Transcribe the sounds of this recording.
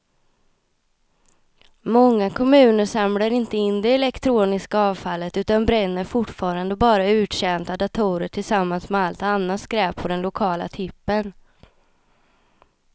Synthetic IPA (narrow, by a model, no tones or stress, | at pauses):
mɔŋːakʰɔmʉ̟ːnəɾʂamlaɾɪnt̪əɪnd̪ɛɛlɛkt̪ʰɾuːnɪskaɑːvfalːət̪ʉ̟ːt̪anbɾɛnːəɾfʊʈfɑːɾand̪əbɑːɾaʉ̟ːʈ̪ɕɛnt̪ad̪at̪ʰuːɾəʈʰɪlsamːansmɛalt̪anːat̪skɾɛːpʰːɔd̪ɛnlʊkʰɑːla̰t̪ʰʏpːən